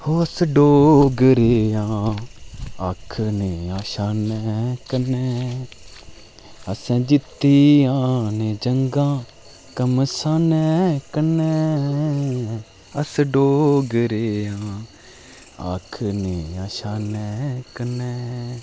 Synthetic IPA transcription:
hoːəsɖoːɡɾeːãː | akʰneːãːʃaːnɛːkənɛː | əsɛ̃ːd͡ʒɪt̪ːiːjãːneːd͡ʒəŋɡãː | kəmsaːnɛːkənɛː | əsɖoːɡɾeːãː | a̰kʰneːãːʃaːnɛːkənɛː

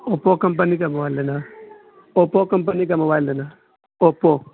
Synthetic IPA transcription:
opːokɐmpaniɡɐmɐwalːɐna | opːokɐmp̬ɐniɡɐmawalːɐna | opːo

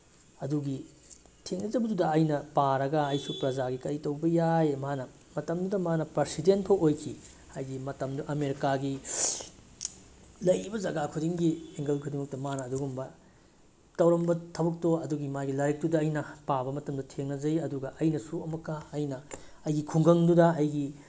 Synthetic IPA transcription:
ɐduɡi | tʰeŋnɐzɐbɐdudɐːjnɐpaɾɐɡɐɐjsupɾɐzaɡikɐɾitɐwbɐjajmɦanɐ | mɐtɐmdudɐmanɐpɾɐɾsidenpʰɐwʔojkʰi | hajɡimɐtɐmduʔɐmeɾikaɡi | lɐjbɐzɐɡakʰudiŋɡieŋɡɐlkʰudimɐk̚tɐmanɐːduɡumbɐ | tɐwɾɐmbɐtʰɐbɐk̚toɐduɡimajɡilɐɾik̚tudɐːjnɐpabɐmɐtɐmdɐtʰeŋnɐzɐjɐduɡɐʔɐjnɐsuɐmɐkːɐːjnɐ | ɐjɡikʰuŋɡɐŋdudɐɐjɡi

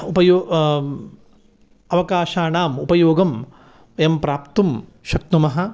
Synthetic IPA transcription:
upɐjoː | ɐʋɐkaːʃaːɳaːmupɐjoːɡɐm | empɾaːpt̪um | ʃɐk̚t̪umɐɦɐ

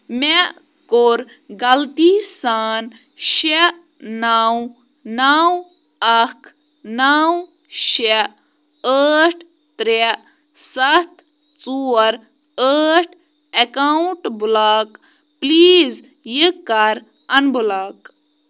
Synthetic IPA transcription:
me | koɾ | ɡɐlt̪isaːn | ʃe | naw | naw | ɐkʰ | naw | ʃe | əːʈʰ | t̪ɾe | sɐt̪ | t͡suːɾ | əːʈʰ | ekawɳʈbulaːk | pliːz | jəkːɐɾ | ɐnbulaːk

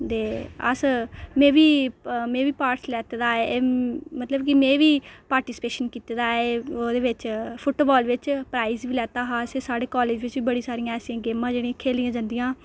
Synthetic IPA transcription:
t̪eːə̰smẽːʋiːmẽːʋiːpaːɾʈslɛːt̪eːd̪aːeːmət̪ləbkɪmẽːʋiːpaːɾʈiːspeːʃənkiːt̪ed̪aːeːoːd̪eːʋɪt͡ʃpʰʊʈoːbɔːlʋɪt͡ʃpɾaːiːzʋiːlɛːt̪aːɦãːseːsaːɽeːkɔːleːd͡ʒʋɪt͡ʃʋiːbəɽĩːsaːɾijãːɛːsiãːɡeːmãːd͡ʒeːɽĩkʰeːlijãːd͡ʒãːnd̪ijãː

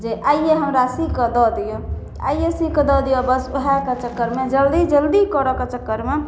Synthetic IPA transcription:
d͡ʒeʔaijeɦəmɾasikəd̪ɔd̪ijo | a̰ijesikəd̪ɔd̪ijɔbəsuɦaket͡ʃəkːəɾmed͡ʒəld̪id͡ʒəld̪ikɔɾɔket͡ʃəkːəɾme

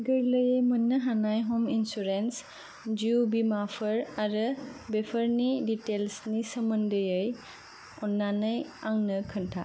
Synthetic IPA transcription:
ɡɐɾlɐjəjmɐnːɐɦanajɦɔminsuɾens | d͡ʒiubimapʰɐɾaɾɯbepʰəɾniditelsnisɐmɐndɯjɯj | ɔnːanɐjaŋnɐkʰɐntʰa̰

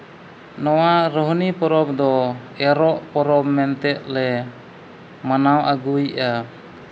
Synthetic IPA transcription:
nɔwaɾɔɦnipɔɾɔb̚d̪ɔ | ɛɾɔʔpɔɾɔb̚mɛnt̪ɛʔ̪̚lɛ | manawʔaɡuja

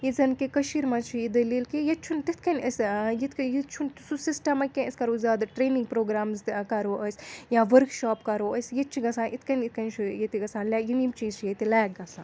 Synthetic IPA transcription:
jizɐnkikɐʃiɾmɐt͡ʃʰijid̪ɐliːlkijɐt̪̚t͡ʃʰunt̪it̪ʰkɐnɐsʲjit̪ʰkɐjit̪̚t͡ʃʰunt̪susisʈɐmɐkʲenɐsʲkɐɾoːzʲaːd̪ɐʈɾeːniŋɡ̚pɾoːɡɾaːmzkɐɾoːʔəsʲjãːʋɐɾkʃɔːpkɐɾoːəsʲjɐt̪̚t͡ʃʰiɡɐsãːnʔit̪ʰkɐnit̪̚ʰkɐnt͡ʃʰijɐt̪iɡɐsãːnlʲajinimt͡ʃiːzt͡ʃʰiet̪ilaːk̚ɡɐsãː

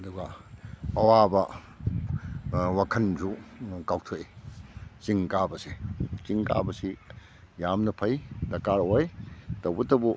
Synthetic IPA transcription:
ɐduɡa | ɐwabɐ | wakʰɐnzukaw̚tʰoi | t͡ʃiŋkabɐset͡ʃiŋka̰bɐsi | jamnɐpʰɐjdɐkaɾojtɐwbɐtɐbu

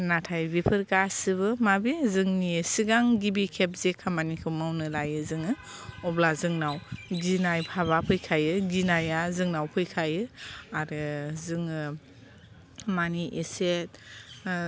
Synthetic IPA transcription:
natʰajbipʰɯɾkasɯbɯmabizɯŋnisiɡaŋɡibikʰep̚zekʰamanikʰɯmawnɯlajɯzɯŋɯ | ɔblazɯŋnawɡinajpʰaβapʰɯjkʰajɯɡinajazɯŋnawpʰɯjkʰajɯaɾɯzɯŋɯ | maniʔeset̚

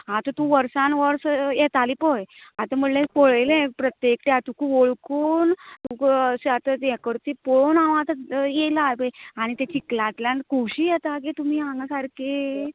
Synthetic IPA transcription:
ɦãt̪ot̪ũʋəɾsãnʋəɾsjɛt̪alipəjat̪əm̤əɽlẽpoɭelẽpɾət̪jekʈeat̪ukuʋoɭkuːnt̪uksat̪əjɛkəɾt̪ipɔɭonaʋãt̪əjelapeaɽ̃it̪et͡ɕiklat̪ljãnkuɕiːjɛt̪ak̬it̪um̤iːɦãŋɡasaɾke

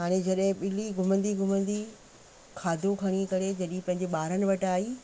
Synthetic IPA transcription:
ɦaːɽ̃ed͡ʑɐɗɦɪ̃ɓɪliɡʱʊmə̃nd̪iɡʱʊmə̃nd̪i | kʰaːd̪ʱokʰɐɽ̃ikɐɾed͡ʑɐɗĩpɐ̃ɦɪ̃ɲd͡ʑeɓaːɾənɪ̆ʋɐʈaːiː

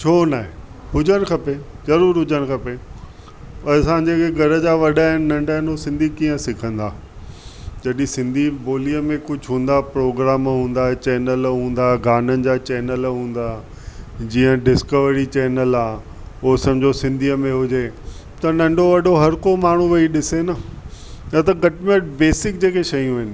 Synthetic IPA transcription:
t͡ɕʰoːnaːɦe | hʊd͡ʑənkʰɐpe | zɐɾuːɾɦʊd͡ʑəɽ̃kʰɐpe | ɐsãd͡ʑeːkeɡʱɐɾəd͡ʑaːʋɐɗaɦɪnɪ̆nɐ̃ɳɖaːɦɪnɦosɪ̃nd̪ʱikiːə̃sɪkʰə̃nd̪aː | d͡ʑɐɗĩsɪ̃nd̪ʱiboːliəmẽkʊd͡ʑʱɦũːnd̪apɾoːɡɾaːmɦũːn̆d̪aːet͡ɕɛːnəlɦũːn̆d̪aɡaːnənɪ̆d͡ʑat͡ɕɛːnəlɦũːn̆d̪a | d͡ʑiːə̃ɖɪskəʋɾit͡ɕɛːnəlaː | osɐ̃md͡ʑʱosɪ̃nd̪ʱiəmẽɦʊd͡ʑe | t̪ɐnɐ̃ɳɖoʋɐɗoɦɐɾkomaːɳ̤ũʋɐiɗɪsenɐ | jɐt̪ɐɡɐʈmeʈbeːsɪk̚d͡ʑeːkeʃɐjũɦɪnɪ̆

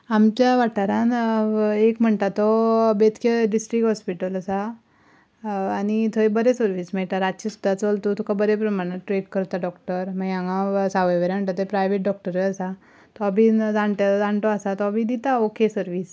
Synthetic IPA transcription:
amt͡ɕjaʋaʈaɾãn | ekm̤əɳt̪at̪ːɔbet̪kʰeɖisʈɾikɦɔspiʈələsa | ñit̪ʰoebəɾesəɾʋiːsmeɭʈ̪aɾad̪t͡ɕisu̥d̪ʱːat͡solt̪ot̪ʰukʰabəɾepɾəmaɽ̃eʈɾeʈkəɾt̪aɖɔkʈəɾmaɡãŋãsaʋəʋəɾam̤əɳt̪at̪epɾajʋeʈ̚ɖɔk̚ʈəɾəəsa | t̪ɔabʱid͡zãɳʈ̪d͡zãɳʈ̪ɔasat̪ɔabid̪it̪aokesəɾʋiːs

